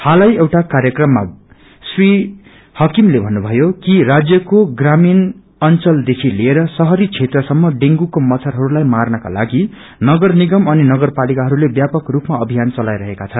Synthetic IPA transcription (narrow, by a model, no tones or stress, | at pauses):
halajewʈakaɾjʌkrʌmːa̰ | sri | hʌkimlebʱʌnːubʱʌjokirad͡zjʌkoɡramin | ʌnt͡sʌld̪ekʰilieɾʌsʌɦʌɾit͡sʰet̪rʌsʌmːʌɖeŋɡukomʌt͡sʰʌrɦʌɾulajmarnʌka̰la̰ɡi | nʌɡʌrniɡʌmʌninʌɡʌrpalikaɦʌɾulebjapʌkrupmaʌbʱijant͡sʌlajɾʌɦekat͡sʰʌn